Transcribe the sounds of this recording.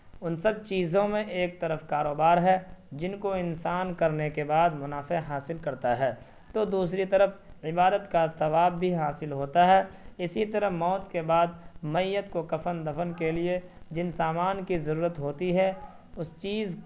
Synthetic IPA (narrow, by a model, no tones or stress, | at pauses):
ʊnsɐb̚t͡ʃiːzõmẽʔeːk̚t̪ɐɾəfkaːɾoːbaːɾɦɛd͡ʒɪnkoɪnsaːnkɐɾnekebaːd̪mʊnaːfeɦaːsɪlkɐɾt̪aɦɛː | t̪oːd̪uːs̬ɾit̪ɐɾəfɪbaːd̪ət̪kasɐʋaːbːʱiɦaːsɪlɦoːt̪aɦɛːɪsit̪ɐɾəmɔːt̪kebaːd̪mɐjːət̪kokɐfənd̪ɐfənkelied͡ʒɪnsaːmaːnkizɐɾuːɾət̪ɦoːt̪iɦɛ | ʊst͡ʃiːz